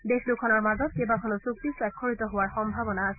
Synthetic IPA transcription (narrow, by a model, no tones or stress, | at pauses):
dexlʊkʰɔnɔɹmazɔt̚kebakʰɔnɔsuk̚t̪iswakʰːoɹit̪ɔɦowaɹxɔmbʱabɔnaːsɛ